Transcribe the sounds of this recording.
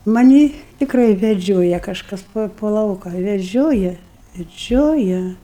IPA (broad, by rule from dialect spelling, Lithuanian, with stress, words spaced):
mɐˈnʲiː tʲɪkˈrɐɪ ʋʲɛˈd͡ʒʲoːjɛ kɐʃˈkɐs poː poː ˈlˠɐʊkɐ ʋʲɛˈʒʲoːjɛ ʋʲɛˈd͡ʒʲoːjɛ